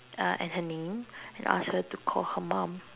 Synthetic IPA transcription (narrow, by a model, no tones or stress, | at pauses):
ʔɛ̰̃nhənẽmɛ̃nʔa̰shətukʰɔlhəmãm